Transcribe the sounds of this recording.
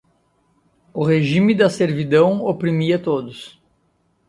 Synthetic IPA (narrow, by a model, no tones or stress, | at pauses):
ʊɦeʒĩmɪd̪ɐseɾvid̪ɐ̃w̃opɾimiɐt̪od̪ʊs